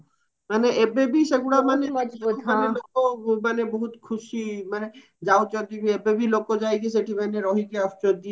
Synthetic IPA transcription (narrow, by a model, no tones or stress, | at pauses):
maneʔebebiseɡuɽamaneanelokomaneboɦut̪kʰuʃimane | d͡ʒaot͡ʃɔt̪ibiebebilokod͡ʒajɡes̬eʈʰimaneɾɔɦikeɔst͡ʃɔd̪ie